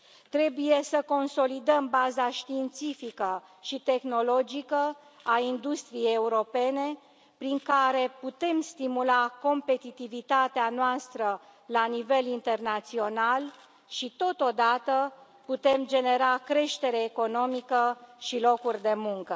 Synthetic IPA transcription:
t̪ɾe̞buje̞səko̞nso̞lid̪əmbazaʃt̪iːnt̪sifikə | ʃit̪e̞xno̞lo̞d͡ʒikə | aind̪ust̪ɾijejeuɾo̞pe̞ne̞ | pɾiŋkaɾe̞put̪e̞mst̪imulako̞mpe̞t̪it̪ivit̪at̪eanoast̪ɾə | lanive̞lint̪e̞rnat̪sio̞nal | ʃit̪o̞t̪o̞d̪at̪ə | put̪e̞md͡ʒe̞ne̞ɾakɾe̞ʃt̪e̞ɾeːko̞no̞mikəʃilo̞kurʲd̪e̞muŋkə

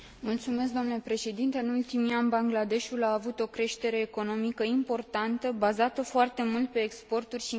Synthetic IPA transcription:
mult̪sume̞s̬kd̪omnule̞pɾe̞ʃe̞d̪int̪e̞ɨnult̪imianbaŋɡlad̪e̞ʃulaːvut̪o̞kɾe̞ʃt̪e̞ɾe̞ːko̞no̞mikəimpo̞rt̪ant̪əbazat̪əfoart̪e̞mult̪̚pe̞ːkspo̞rt̪urʲʃi

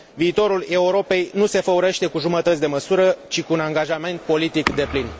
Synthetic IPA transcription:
viːt̪o̞ɾule̞uɾo̞pe̞jnuse̞fəuɾeʃt̪e̞kuʒumət̪ət̪sʲd̪e̞məsuɾət͡ʃikuːnaŋɡaʒame̞nt̪̚po̞lit̪ikd̪e̞plin

